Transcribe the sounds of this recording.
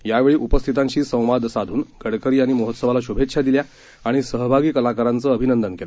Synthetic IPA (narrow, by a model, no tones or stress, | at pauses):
jaʋeɭiːʔupəst̪ʰit̪ãɲt͡ɕiːsə̃w̃ʋad̪ʱsad̪ʱuːnɡʱəɽkəɾiːaɽ̃iməɦot̪səʋalaɕubʱet̪ːɕʰad̪ilja | aɽ̃isəɦbʱaɡiːkəlakaɾãnt͡səːəbʱinənd̪ənkela